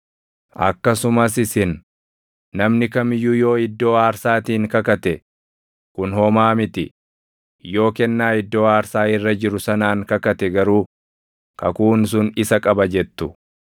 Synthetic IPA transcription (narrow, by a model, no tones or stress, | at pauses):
ʔɐ̰kːɐsʊmɐs̬ɪsɪnː | ɐmnɪkɐmɪjuːjo̞ːɪd̪ːo̞ːaːɾsaːt̪iːŋkɐkɐt̪ɛ | kʊnhɔmaːmɪt̪ɪ | jo̞ːkɛnːaːɪd̪ːo̞ːaːɾsaːɪrːɐd͡ʒɪɾʊsɐnaːŋkɐkɐt̪ɛɡɐɾuː | kɐkuːns̬ʊnɪsɐkʼɐbɐd͡ʒɛt̪ːʊ